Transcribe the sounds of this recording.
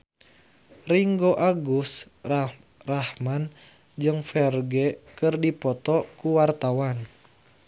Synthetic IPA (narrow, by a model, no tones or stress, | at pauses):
riŋɡoʔaɡus | rahman | d͡ʒɨŋfɛrɡɛkɨrdipɔt̪ɔkuwart̪awan